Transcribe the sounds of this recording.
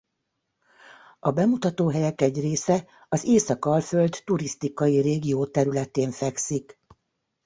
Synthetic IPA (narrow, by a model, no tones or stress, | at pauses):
ɒbɛmut̪ɒt̪oːɦɛjɛkɛɟreːsɛ | ɒzeːsɒkɒlføld̪ːuɾist̪ikɒjireːɡijoːt̪ɛɾylɛt̪eːɱfɛksik